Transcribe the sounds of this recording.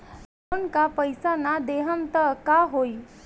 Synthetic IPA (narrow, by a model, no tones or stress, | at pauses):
loːnkapɐɪsanad̪eːɦəmt̪ɐkaɦoːi